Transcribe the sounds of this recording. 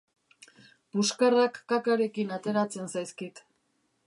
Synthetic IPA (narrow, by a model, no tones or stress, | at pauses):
buskarakːakaɾe̞kinat̪e̞ɾat͡se̞nsajskit̪